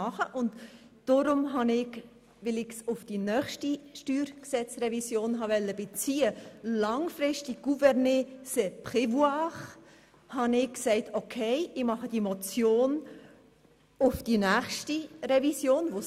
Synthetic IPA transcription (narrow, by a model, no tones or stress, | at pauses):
ɑχəʔʊntd̥oɾʊmɦɑnɪɡ | ʋɪlɪɡsʊfd̥inœːχʃtiʃtyːɾksɛt͡srɛvisjoːnɦɑʋɛlːəb̥ɪt͡siːəlɑŋfɾɪʃtiɡ̥uvɛɾnesɛpχɪvuɑχ | hɑnɪkksɛɪtʰokʰɛɪɪmɑχəd̥imɔt͡sjoːn | ʊfd̥inæːχʃtirɛvisjoːnʋo